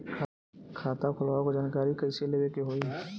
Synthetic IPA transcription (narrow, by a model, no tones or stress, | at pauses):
kʰ | kʰaːt̪akʰʊlaːokod͡ʒaːnkaːɾikɐseleʋekeɦoːi